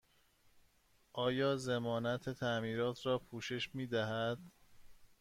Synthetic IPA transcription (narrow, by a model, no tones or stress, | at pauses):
ʔɒːjɒːzemɒːnæt̪ʰe̞t̪ʰæmiːɾɒːt̪ʰrɒːpʰuːʃe̞ʃmiːd̪æɦæd̪̥